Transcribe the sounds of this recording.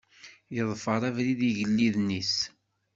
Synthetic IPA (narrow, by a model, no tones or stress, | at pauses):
jəðˤfəɾˤævɾiðiʝəlːiðnis